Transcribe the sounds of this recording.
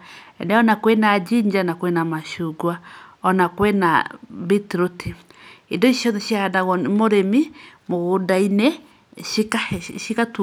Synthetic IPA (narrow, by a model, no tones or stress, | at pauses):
ɛ̰nɛɔnakwenad͡ʒiɲd͡ʒanakwenamaʃuɡwaɔnakwɛna̰bitɾotiidoiʃiɔðɛʃjaadaɣɔmoɾemimoɣodaine | ikaʃikatu